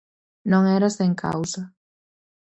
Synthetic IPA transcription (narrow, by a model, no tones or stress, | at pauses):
nõŋɛɾɐsẽŋkʰa̰wzɐ